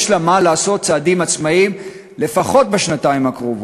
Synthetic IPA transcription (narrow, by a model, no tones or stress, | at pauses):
ʃlamalaːso̞t̪̚t͡saːdimat͡smaim | le̞faχo̞t̪̚beʃnataimakʁov